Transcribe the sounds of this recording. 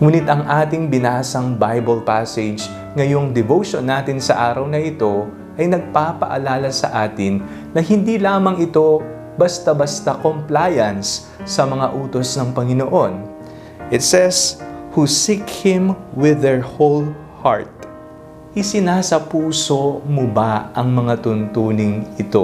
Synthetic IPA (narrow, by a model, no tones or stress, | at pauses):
ŋuːnɪt̪ɐŋʔaːt̪ɪŋbɪnaːsɐŋbajbɐlpasɛd͡ʒ | ŋɐjo̞ŋd̪ɛvowʃonːaːt̪ɪnsɐʔaːɾɐwnɐʔɪt̪o̞ | ʔɐjnɐɡ̚paːpɐ̰ʔɐ̰laːlɐsɐ̰ʔaːt̪ɪnː | ɐhɪnd̪ilaːmɐŋɪt̪o̞ | bɐst̪ɐbɐst̪ɐkomplaːjɐnsː | ɐmɐŋaʔuːt̪o̞snɐŋpɐŋɪnoʔo̞n | ʔɪt̪sɛshusikhɪmwɪðɛɹhol | ha̰ɹt̪̚ | ʔɪsɪnaːsɐpuːso̞mobaʔɐŋmɐŋat̪ʊnt̪uːnɪŋɪt̪o̞̰